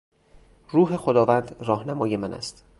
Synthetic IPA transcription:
ruːɦe̞xod̪ɒːvæːnd̪rɒːhnæmɒːjemænæ̰st̪

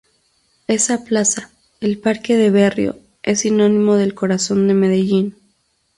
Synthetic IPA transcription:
e̞saplasa | elpaɾke̞ðe̞βerjo̰ | e̞sinõ̞nĩmo̞ðe̞lko̞ɾaso̞nd̪e̞me̞ðe̞ʝin

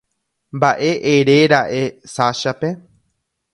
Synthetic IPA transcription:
mbaʔe̞ʔeɾeɾaʔe̞saʃape̞

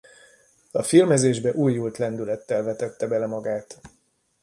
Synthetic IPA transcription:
ɒfilmɛzeːʒbɛʔuːjːult̪lɛnd̪ylɛt̪ːɛlvɛt̪ɛt̪ːɛbɛlɛmɒɡaːt̪

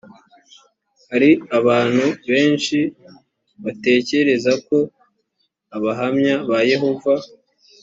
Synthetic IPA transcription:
haɾiaβaːn̥huβe̞ːnʃi | βate̞ːce̞ɾe̞zako̞ | aβaɦamɲaβaje̞ɦo̞va

